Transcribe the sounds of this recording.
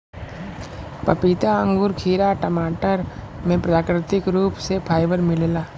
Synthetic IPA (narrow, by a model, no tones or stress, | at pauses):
pɐpit̪aə̃ŋɡʊɾkʰiːɾaʈəmaːʈəɾ | mẽpɾɐaːkɾɪt̪ɪkɾuːpsepʰaːɪʋəɾmɪlelaː